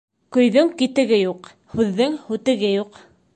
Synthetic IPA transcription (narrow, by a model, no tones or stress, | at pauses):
kɵ̆jðɵŋkit̪ɘ̆ɡɘjuq | hʉðːɘŋhʉt̪ɘ̆ɡɘjuq